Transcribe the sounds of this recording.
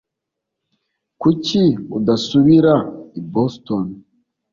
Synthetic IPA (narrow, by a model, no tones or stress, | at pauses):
kuciudasuβiɾaiboston